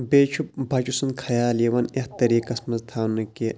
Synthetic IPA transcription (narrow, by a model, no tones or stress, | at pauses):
beːt͡ʃʰubʱɐt͡ʃusunkʰɐjaːliʋɐneht̪ɐɾiːkɐsmɐzt̪ʰaːnɐke